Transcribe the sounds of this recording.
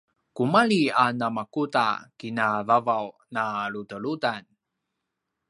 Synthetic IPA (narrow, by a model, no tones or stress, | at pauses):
kumaɭianamakuta̰kinavavaw | naɭutəɭudan